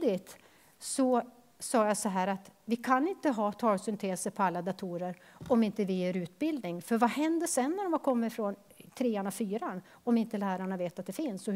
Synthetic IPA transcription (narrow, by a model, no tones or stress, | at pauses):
d̪ɪt̪ | sɔ | sɑːjasɔɦæːɾat̪vɪkʰanɪnt̪əɦɑːt̪ʰɑːlsʏnt̪ʰeːsəɾpʰɔalːad̪at̪ʰuːɾəɾ | ɔmɪnt̪əvɪæɾʉ̟ːt̪̚bɪld̪nɪŋfœɾvahɛnd̪əʂɛnːæɾɔmvakʰɔmːəɾfɾɔn | t̪ʰɾeːaɳafyːɾan | ɔmɪnt̪əlæːɾaɳaveːt̪at̪̚d̪ɛfɪnsɔ